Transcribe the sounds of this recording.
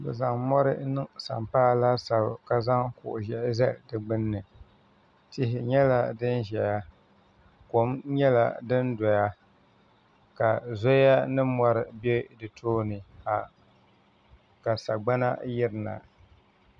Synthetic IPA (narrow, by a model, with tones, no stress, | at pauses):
bɨ̰˨za˨ŋmɔ˦ɾɨ˦nɨ˦sa˨mpaː˦la˦sa˨bka˨za˦ŋkʊ̰˨ʔʊ˨ʒɛ˨ʔzɛ˦ʔdɨ˨ɡ͡bɨ˦nːɨ˨ | tɪ˦ɦɪ˨ɲɛ˦la˦dɨ˦nʒɛ˨ja˦ | ko˨˦mɲɛ˦la̰˨dɨ˦ndɔ˨ja˦ | ka˨zo˦a˦nɨ˦mɔ˦ɾɨ˨be˦dɨ˨tʰoː˦nɨ˨ha˨ | ka˨sa˨ɡ͡ba˦na˦jɪ˦ɾɨ˨na̰˨